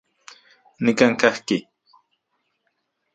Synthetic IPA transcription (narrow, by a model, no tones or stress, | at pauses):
nɪkaŋkahkɪ